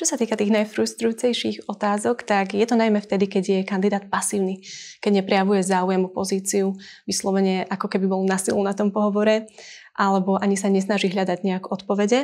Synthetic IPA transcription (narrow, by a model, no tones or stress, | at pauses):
t͡ʃɔsat̪iːkat̪iːɣnajfɾust̪ɾujuːt͡sɛjʃiɣɔt̪aːzɔkt̪aɡjɛt̪ɔnajmɛft̪ɛd̪ikɛɟjɛkand̪id̪aːt̪̚pasiːʊnikɛɟɲɛpɾɛjaʋujɛzaːujɛmupɔziːt͡siu | ʋislɔʋɛɲɛʔakɔkɛbibɔlnasilunat̪ɔmpɔɦɔʋɔɾɛʔalɛbɔʔaɲisaɲɛs̬naʒiɦʎad̪aɟɲɛakɔt̪pɔʋɛɟɛ